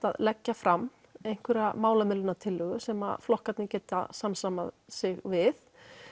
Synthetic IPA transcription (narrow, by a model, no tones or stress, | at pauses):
aðlɛcːafɾamː | ejŋ̥kʰvɛɾamaːwlamɪlʏnat̪ʰɪlːʏɣʏsɛma̰flɔhkat̪nɪcɛːt̪a̰samsamaðsɪɣvɪθ